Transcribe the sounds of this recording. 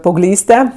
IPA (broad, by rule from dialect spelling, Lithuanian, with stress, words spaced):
pɐɐʊɡˈlʲiːsʲtʲɛ